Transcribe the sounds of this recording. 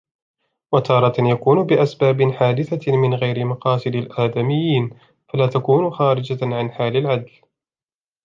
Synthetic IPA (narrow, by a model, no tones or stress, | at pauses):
wat̪ʰɑːɾˤɑt̪jakuːnʊbɪʔasbaːbɪħaːd̪ɪθamɪnɣajɾɪmɑqɑːsˤɨd̪alʔaːd̪amɪjːiːn | falaːt̪akuːnʊxaːɾɪd͡ʒaʕanħaːlɪlʕad̪l